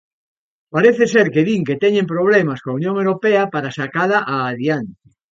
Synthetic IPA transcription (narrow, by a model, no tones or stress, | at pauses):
paɾeθeseɾkeðiŋket̪ɛɲempɾoβ̞lemaskoaunjõŋewɾopeapaɾasakaðaʔaːðjan